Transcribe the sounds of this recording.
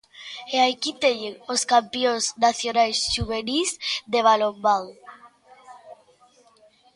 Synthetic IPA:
eajkit̪eɲeŋoskampioznaθjonajsʃuβ̞enizd̪eβ̞alombað

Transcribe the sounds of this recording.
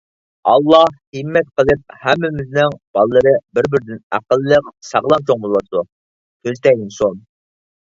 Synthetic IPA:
ɑlˠːɑhhɨmːɛt̪̚qəlˠɨp̚hɛmːɪmɪznɪŋb̥ɑlˠəlˠəɾɨbɪɾbɪɾd̪ɪnæ̰qəlˠːəqsɑʁlˠɑnt͡ʃʰoŋbolˠɑt̪u | t̪ʰøzt̪ɛj̪ɪnson

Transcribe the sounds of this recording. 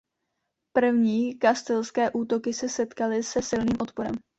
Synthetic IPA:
pr̩vɲiːkast̪ɛlskɛːʔuːt̪o̞kɪsɛsɛt̪kalɪsɛsɪlniːmʔo̞t̪po̞ɾɛ̰m

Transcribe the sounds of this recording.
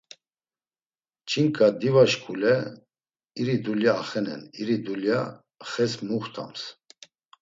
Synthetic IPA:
t͡ʃʰʼiŋkʼad̪ivaʃkʰulɛ | iɾid̪uljaːχɛnɛ̰niɾid̪ulja | χɛsmuχt̪ʰa̰ms

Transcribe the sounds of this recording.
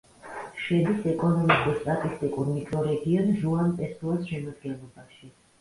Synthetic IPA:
ʃɛd̪isɛkʼɔnɔmikʼuɾst̪ʼat̪ʼist̪ʼikʼuɾmikʰʼɾɔɾɛɡiɔnʒuanpʼɛsuasʃɛmad̪ɡɛnlˠɔbaʃi

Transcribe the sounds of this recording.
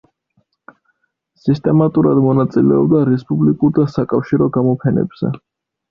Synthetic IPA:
sist̪ʼɛmat̪ʼuɾad̪mɔnat̪sʼilɛɔbd̪aɾɛspʼublikʼuɾd̪asakʼafʃiɾɔɡamɔpʰɛnɛ̰bz̥ɛ̰

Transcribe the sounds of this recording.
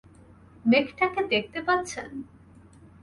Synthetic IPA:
mekʈaked̪ek̚t̪epat̪ːɕʰen

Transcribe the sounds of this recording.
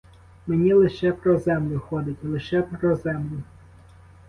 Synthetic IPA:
menʲilˠɪʃɛpɾɔzɛmlʲʊxɔd̪ɪtʲilˠɪʃɛpɾɔzɛmlʲʊ

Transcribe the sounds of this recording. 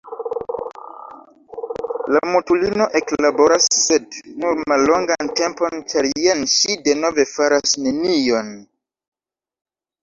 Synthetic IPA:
lamutulino̞ʔe̞klabo̞ɾasːednuɾmalːo̞ŋɡante̞mpo̞nt͡ʃaɾjenʃideno̞ve̞faɾasnenijo̞n

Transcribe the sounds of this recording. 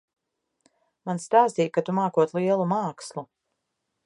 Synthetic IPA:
manst̪aːst̪ijkat̪umaːkuɔt̪liɛlˠumaːkslˠu

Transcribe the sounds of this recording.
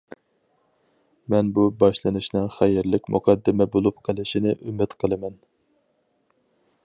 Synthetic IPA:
mɛnbubɑʃlˠɨnɨʃnɨŋχæjɪɾlɪkʲmṵqʰɑd̪ːɪmɛbolˠupqʰəlˠɨʃinɪʔymɪt̪qʰəlˠɨmɛn

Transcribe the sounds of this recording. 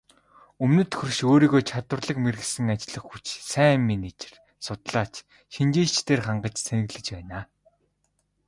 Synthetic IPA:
ɵmnɵ̆t̪xɵ̆rʃoːɾiːɣoːt͡ɕʰat̪wə̆rɮə̆kmerɘ̆xsɘ̆ŋat͡ɕɮə̆χxut͡ɕsæːmːinit͡ɕe̥r | sʊt̪ɮaːt͡ɕ | ʃint͡ɕiːɮt͡ɕt̪ʰeːrχaɴɢə̆t͡ɕsʰenɘ̆ɣɮɘ̆t͡ɕpæːnaː

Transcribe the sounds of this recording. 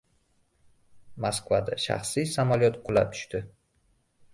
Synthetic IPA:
maskvad̪aʃa̰χsijsamaljɒt̪qʰʊlap̚t̪ʰʊ̥ʃt̪ɪ

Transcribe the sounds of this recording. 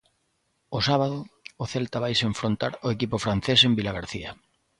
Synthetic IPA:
ʊsaβaðʊːθelt̪aβajseɱfɾont̪aɾʊekipʊfɾan̟θesembilaɣaɾθiɐ

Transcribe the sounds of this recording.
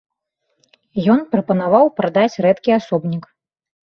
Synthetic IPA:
jɔnpɾɐpɐnavawpɾad̪at͡sʲrɛt̪kʲiasɔbnʲik

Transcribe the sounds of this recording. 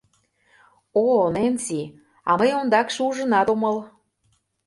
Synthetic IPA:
onensi | ɑ̰məjond̪ɑkʃeuʒə̆nɑt̪omɤl

